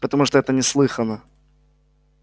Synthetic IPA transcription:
pət̪ɐmuʂt̪oɛt̪ənʲɪslˠɨxənə

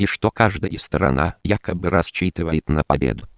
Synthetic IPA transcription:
ɪʂt̪okaʐd̪əjəst̪əɾɐ̰nʔa̰jakəbɨɾɐsʲt͡ɕːit̪ɨvəjɪt̪nəpɐbʲḛd̪ʊ

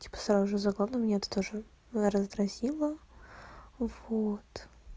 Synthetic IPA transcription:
tʲi̥pə̥sɾaʊʐɨzɐɡlˠavnəmʲnʲeɛt̪ə̥t̪o̞ʐɨ | ɾəzd̪ɾɐzʲilˠə | v̥ot̪

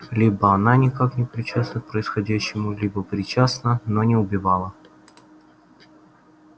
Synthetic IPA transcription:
lʲibəɐnanʲɪkaknʲɪpɾʲɪt͡ɕasnək̚pɾəɪsxɐdʲæɕːɪmʊlʲibəpɾʲɪt͡ɕasnənonʲɪʊbʲɪvɑlˠə

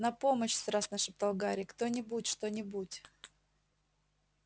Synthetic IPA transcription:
nɐpo̞məɕst̪ɾasnəʂɨpt̪ɐlˠɡaɾʲɪkt̪onʲɪbutʲʂt̪o̞nʲɪbutʲ

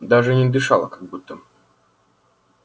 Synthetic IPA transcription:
d̪aʐɨnʲɪd̪ɨʂalˠə̰kaɡ̚but̪ːə

